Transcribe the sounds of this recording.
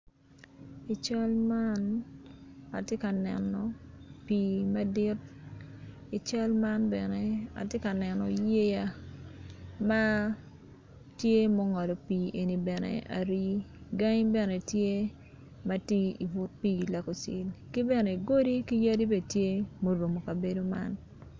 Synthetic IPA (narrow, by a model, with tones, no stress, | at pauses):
i˨t͡ʃa˦lma˦n | a̰˨tje˦ka˨nɛ̰˨nɔ˨pi˨ma˦dɪ˦t̚ | i˨t͡ʃa˦lma˦nbɛ˨nɛ˨a̰˨tje˦ka˨nɛ˨nɔ˨je˦ja˦ | ma˦ | tje˦mo˦ŋɔ˨lɔ˨piː˨ʔe˨ni˨bɛ˨nḛ˨a̰˨ɾi˦ɡa˦ŋbɛ˨ne˨tje˦ | ma˦ti˦i˨vʊ˦t̚pi˦˨la˨ko˨sɪ̰˨lki˦bɛ˨ne˨ɡo˦di˦ki˦ja˦di˦be˦˨tje˦mo˦ɾo˨mo˨ka˨be˨˦do˦ma̰˦n